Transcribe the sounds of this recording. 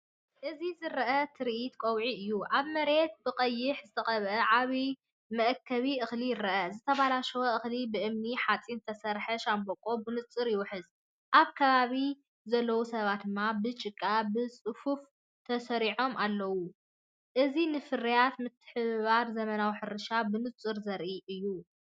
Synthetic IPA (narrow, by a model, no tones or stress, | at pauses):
ʔɨzizɨɾɐʔɐt̪ʰɨɾiʔit̪kʷʼowʕiɨjːuʔaβmɐɾe̞t̪̚bɨqʼɐjːɪħzɨt̪ʰɐχʼɐβʔɐʕaβi | mɐʔkʰːɐβiʔɨxlijɪɾɐʔɐzɨt̪ʰɐβalaʃɐwoʔɨxlibɨʔɨmniħat͡sʼint̪ʰɐsɐɾħɐʃambokʼo̞bɨnɨt͡sʼːɨɾjɪwʊħɨz | ʔaβkʰɐβaβi | zɐlːɐwusɐβat̪̚d̪ɨmːabɨt͡ʃʼɨkʼːabɨsʼɨfuf | t̪ʰɐsɐɾiʕo̞mʔalːɐwu | ʔɨzinɨfɨrijat̪mɨt̪ʰːɨ̥ħɨβaɾzɐmɐnawiħɨɾɨʃabɨnɨt͡sʼɨɾzɐɾʔiʔɨjːu